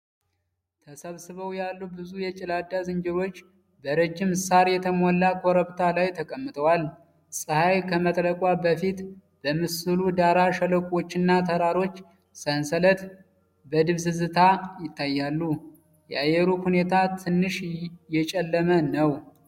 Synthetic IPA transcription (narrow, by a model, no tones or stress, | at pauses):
t̪ʰəsəβsɨβəwjalːubɨzujɛt͡ʃʼɪlad̪ːazɨnd͡ʒɪɾo̞t͡ʃː | bəɾɨd͡ʒːɪmɨsaɾjɛt̪ʰəmolːakʰoɾəβt̪ʰalajt̪ʰəkʼəmːɨt̪ʰʼəwal | sʼɨhajkʰəmət̪ʼləkʼwabəfit̪ | b̥əmɨsɨlud̪aɾaʃələkʷʼwo̞t͡ʃːɪnːat̪ʰəɾaɾo̞t͡ʃː | sənsələt̪ | bəd̪ɨβzɨzɨt̪ʰajɪt̪ːajːalːu | jɛʔajɛɾuhune̞t̪ʰat̪ʰɨnːɨʃjɛt͡ʃʼɛlːəmənəw